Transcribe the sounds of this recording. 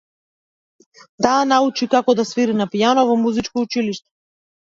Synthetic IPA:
t̪aːnaut͡ʃikakɔd̪asviɾinapijanɔvɔmuzit͡ʃkɔut͡ʃiliʃt̪ɛ̥

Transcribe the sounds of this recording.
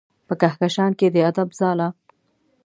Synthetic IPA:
pəkahkaʃɑnked̪əad̪abzɑla

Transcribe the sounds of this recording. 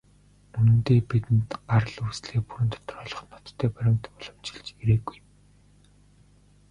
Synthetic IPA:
unɘ̆nt̪eːpit̪ɘ̆nt̪ɢaɾə̆ɮusɮeːpuɾɘ̆nt̪ʰɔ̥t̪ɞ̆rɔːɮɞ̆χnɔt̪ʰːæːpæɾʲɪ̆ŋt̪ʰɔɮɞ̆m̥t͡ɕɪ̥̆ɮt͡ɕiɾeːɡujm

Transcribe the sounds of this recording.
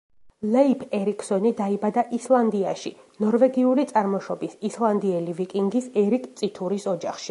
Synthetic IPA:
lɛipʰɛɾikʰsɔnid̪aibad̪aʔislˠand̪iaʃḭ | nɔɾvɛɡiulit̪sʼaɾmɔʃɔbisislˠand̪iɛlivikʼiŋɡisɛɾikʰʼt̪sʼit̪ʰuɾisɔd͡ʒaχʃi

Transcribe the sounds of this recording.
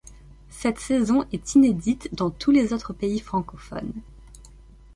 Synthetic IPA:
sɛt̪sezɔ̃ʔɛt̪ined̪it̪d̪ɑ̃t̪ʰulezot̪χəpeifχɑ̃kɔfɔ̰n

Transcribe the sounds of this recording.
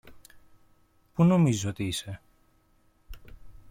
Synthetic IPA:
puno̞mizio̞t̪iise̞

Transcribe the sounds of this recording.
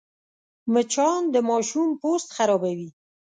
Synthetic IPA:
mət͡ʃɑnd̪əmɑʃumpost̪xaɾɑbawi

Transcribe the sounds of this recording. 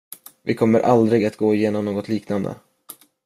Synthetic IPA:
vɪkʰɔmːəɾʔa̰ld̪ɾɪɡat̪ɡoːɪjeːnɔmnoːɡɔt̪ʰliːknand̪ə̰

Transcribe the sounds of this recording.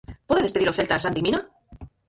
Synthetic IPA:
pe̞ðeðespe̞ðiɾofe̞lt̪aːsant̪imina

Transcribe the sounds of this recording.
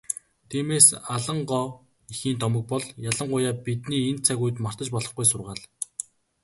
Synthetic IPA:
t̪ʰiːmeːsaɮə̆ɴɢɔː | ixiːnt̪ɔmə̆k̚pɔɮjaɮə̆ɴɢʊjaːpit̪niːent̪t͡sʰæɣujt̪mar̥t̪ə̆t͡ɕpɔɮɞ̆χɡujsʊrʁaːɮ

